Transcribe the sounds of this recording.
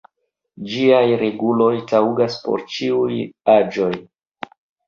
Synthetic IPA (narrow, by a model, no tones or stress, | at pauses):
d͡ʒiajɾe̞ɡulo̞jtawɡaspo̞̰ɾt͡ʃiujad͡ʒo̞j